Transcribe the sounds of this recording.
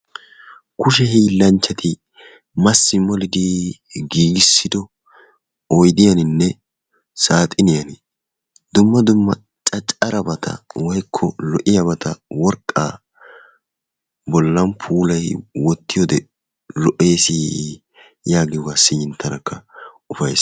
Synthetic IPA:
kʊʃ̬ɛhiːlːɐnt͡ʃːɐt̪ʰɪ | mɐsːɪmɔlɪd̪ɪ | ɡiːɡɪsːɪd̪ɔ | ɔjd̪ɪjɐnɪnːɛ | saːt̪ʼɪnɪjɐnɪ | d̪ʊmːɐd̪ʊmːɐ | t͡ʃʼɐt͡ʃʼɐɾɐbɐt̪ʰɐ̰wɐjkʰːɔlɔʔɪjɐbɐt̪ʰɐwɔɾkʼːa̰ | bɔlːɐnpʰuːlɐjwɔt̪ːɪjɔd̪ɛ | lɔʔe̞ːsɪ | jaːɡɪjɔɡasɪjɪnt̪ʰːɐnɐkːɐ | ʊfɐjs

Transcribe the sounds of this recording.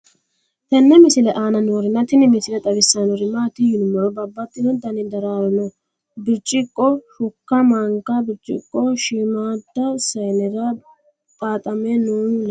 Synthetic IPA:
t̪ɐnːɛmɪsɪlɛʔaːnɐnoːɾɪnɐt̪ɪnɪmɪsɪlɛt̪ʼɐβɪsːɐnɔɾɪmaːt̪ɪjʊnʊmːɔɾɔbɐbːɐt̪ːɪnɔd̪ɐnɪd̪ɐɾaːwɔnɔ | bɪɾt͡ʃʼːɪkʼːɔfʊkːɐmaŋkːɐbɪɾt͡ʃʼɪ̰kʼːɔʃimaːt̪ːɐsɐjnɛɾɐ | t̪ʼaːt̪ʼɐmɛnoːnl

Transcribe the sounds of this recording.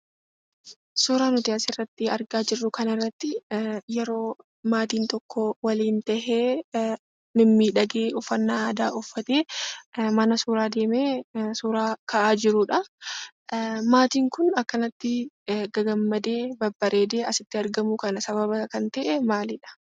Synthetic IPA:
suːɾaːnʊt̪ɪɐsɪrːɐt̪ːɪɐɾɡaːd͡ʒɪrːʊkɐnɪrːɐt̪ːɪjɛɾo̞ː | maːt̪iːnt̪ɔkːɔwɐliːnt̪ɐheː | mɪmːiːᶑɐɡeːɔfːɐnːaːd̪aːʔʊfːɐt̪eːmɐnɐsuːɾaːd̪e̞ːmeːsuːɾaːkʰɐʔaːd͡ʒɪɾʊᶑɐ | maːt̪iːŋkʊnɐkːɐnɐt̪ːɪ | ɡɐɡɐmːɐd̪e̞ːbɐbːɐɾʔeːd̪eːɐsɪt̪ːɪɐɾɡɐmukɐnɐsɐβɐβɐkɐnt̪ɛʔɛmaːlɪᶑɐ̥

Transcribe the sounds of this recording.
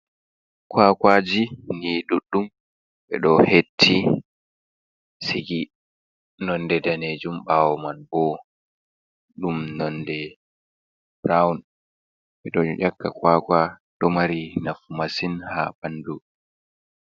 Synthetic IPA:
kwaːkwad͡ʒiniɗuɗːum | ɓɛ̰ɗɔhetʰːi | siɡi | nɔndɛdaned͡ʒumɓaːwɔmanbɔ | ɗumnɔndɛ | bɾawn | ɓɛɗɔʔakːakwaːkwaɗɔmaɾinafumasinha̰bandu

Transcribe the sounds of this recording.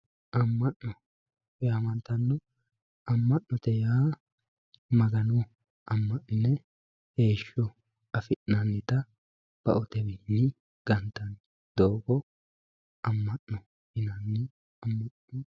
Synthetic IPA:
ʔɐmːɐʔːɔ | jamɐnt̪ɐnːɔ | ɐmːɐʔnɔt̪ɛjaː | mɐɡɐnɔ | ɐmːɐʔnɪnːɛ | heːʃːɔ | ɐfɪʔnɐnːɪt̪ɐ | b̥ɐ̰ʔɔt̪ɛbɪnːɪ | ɡ̥ɐnt̪ːɐn | d̪oːɡɔ | ɐmːɐʔnːɔ | hɪnɐnːɪ | ɐmːɐnɔ

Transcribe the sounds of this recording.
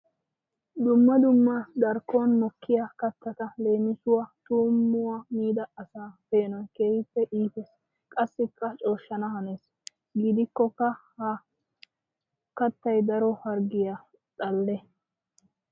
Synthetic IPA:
d̪ʊmːɐd̪ʊmːɐd̪ɐɾkːonmɔkʰːɪjakɐt̪ːɐt̪ɐle̞ːmɪsʊwɐt̪uːmːʊwɐmiːd̪ɐːsaːpe̞ːnɔjke̞ːhɪpːɛʔiːfes | kʼɐsːɪkːɐt͡ʃʼo̞ːʃːɐnɐhɐneːs | ɡid̪ɪkːɔkːɐhɐ | kɐt̪ːɐjd̪ɐɾɔhɐɾɡɪja | ᶑɐlːɛ

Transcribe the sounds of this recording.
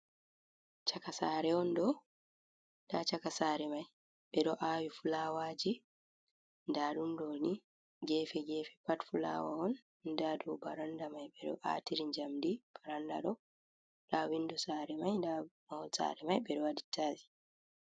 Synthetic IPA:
t͡ʃakasaːɾɛɔndɔ | ndat͡ʃakasaːɾɛmaj | ɓɛɗɔʔaːwifulawaːd͡ʒi | ndaːɗundoːni | ɡɛːfɛɡɛfɛ̥patfula̰wa̰ɔn | ndaːdubaɾandamajɓɛɗɔ̰ʔa̰ːtiɾiɲd͡ʒamdib̥aɾanda̰ɗɔ | lawindɔsaːɾɛmajndamawɔsa̰ɾɛmajɓɛɗɔwaditʰːaːzi̥

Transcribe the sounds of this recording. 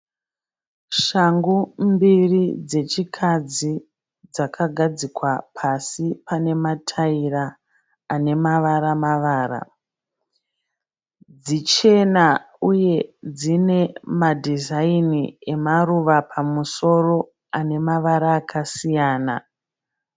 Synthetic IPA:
ʃaŋɡumbirid͡ze̞t͡ʃikʰad͡zi | d͡zakʰaɡʱad͡zikwapʰasipane̞matʰairaː | ne̞maʋaɾamaʋaːɾa̰ | d͡zit͡ʃe̞na | uje̞d͡zine̞madʱizainie̞maruʋapʰamuso̞ro̞ | ane̞maʋaɾaːkʰasijaːna̰

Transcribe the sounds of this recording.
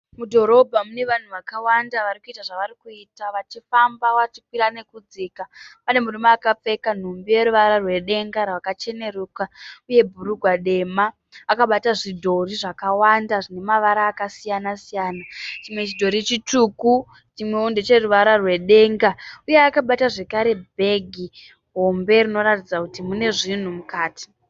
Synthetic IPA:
mudʱo̞ɾo̞bʱamune̞ʋan̤uʋakawandaʋaɾikuitaʐaʋaɾikuiːtaʋat͡ʃifambawat͡ʃikwiɾane̞kud͡ziːkapane̞murimaːkap͡fe̞kan̤umbije̞ɾuʋaɾarwe̞ɗe̞ŋɡaɾawakat͡ʃe̞ne̞ɾuːkauje̞bʱuɾuɡʱwaɗe̞maː | kaɓataʐidʱo̞riʐakawandaʐine̞maʋaɾaːkasijanasijaːnat͡ʃimwe̞t͡ʃidʱo̞ɾit͡ʃituːku | t͡ʃimwe̞undet͡ʃe̞ruʋaɾarwe̞ɗe̞ŋɡaujeakaɓataʐe̞kaɾe̞bʱe̞ɡʱi | ɦo̞mbe̞rino̞ɾatid͡zakutimune̞ʐin̤umukaːti̥

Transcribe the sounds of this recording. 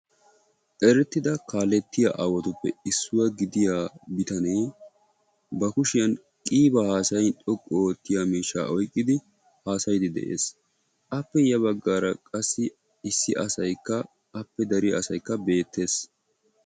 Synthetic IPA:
ʔɛɾɛt̪ːɪd̪ɐkaːlɛt̪ːɪja̰ʔɐwɔt̪ʊpːɛɪsːʊwɐɡɪd̪ɪjaːbɪt̪ɐneː | bɐkʊʃɪjɐn | kʼiːbɐhaːsɐjᶑʼɔkʼːoːt̪ːɪjamiːʃːa̰ːʔɔjkʼːɪd̪ɪ | haːsɐjd̪ɪd̪ɛ̰ʔḛːs | ʔɐpːɛjɐβɐɡːaːɾɐkʼɐsːɪ | ɪsːɪʔɐsɐjkːɐː | pːɛd̪ɐɾɪjaːsɐjkːɐbe̞ːt̪ːe̞ːs

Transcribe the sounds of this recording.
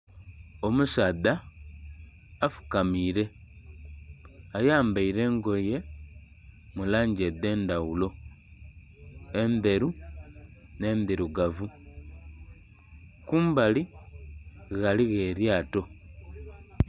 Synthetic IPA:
o̞musada | fu̥kamiɾe̞ | ajaːmbaiɾe̞ːŋɡo̞je̞ | mulaːɲɟede̞ːndawulo̞ | ende̞ɾu | ne̞ːnd̪iɾuɡavu | kuːmbali | ɣaliɣe̞ɾjaːto̞

